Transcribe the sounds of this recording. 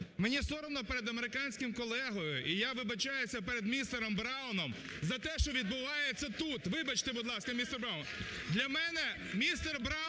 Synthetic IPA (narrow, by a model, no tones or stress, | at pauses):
menʲist̪ɔɾɔnɔpeɾed̪ɐmeɾɪkɑnʲsʲkɪmkɔlˠɛɦɔjʊʔijaʋɪbɐt͡ʃajʊsʲɐpeɾed̪mʲist̪eɾɔmbɾɑwʊnɔm | zɐt̪ɛʃt͡ʃɔʋʲid̪bʊʋɑjet͡sʲːɐt̪ut̪ʋɪbɐt͡ʃt̪ɛbʊd̪lˠɑskɐmʲist̪erbɾawn | d̪lʲɐmɛnɛ | mʲist̪erbɾɑ